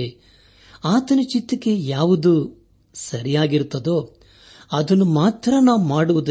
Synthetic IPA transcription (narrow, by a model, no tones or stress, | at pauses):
e | aːt̪ɐnɐt͡ʃit̪ːɐkːe̞jaːʋud̪u | sɐɾijaːɡiɾt̪ːɐd̪o̞ː | ɐd̪ɐnːumaːt̪ɾɐnaːʋumaːɽuʋud̪ɐ